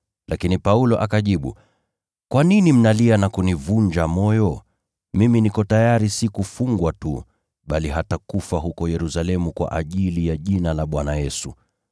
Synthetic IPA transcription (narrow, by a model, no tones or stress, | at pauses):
lʔakinipaulɔʔakaʄiɓṵ | kwaninim̩nalianakunivuɲd͡ʒamɔjɔ | miminikɔtajaɾisikufuŋɡwatu | ɓaliɦatakufaɦukɔjɛɾusalɛmukwa̰ʔaʄilijaʄinalaɓwanajɛsu